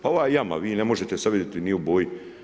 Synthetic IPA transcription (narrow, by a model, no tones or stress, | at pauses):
pao̞ʋaːjjama̰ʋiːnemo̞ʒet̪esaʋed̪et̪iniuboːji